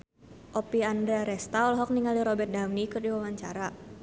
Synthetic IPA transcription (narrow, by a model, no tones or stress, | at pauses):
ʔopiandɾɛɾɛst̪aɔlɦɔk̚niŋaliɾɔbɛrt̪̚daŋnikɨrdiwawaɲt͡ʃaɾa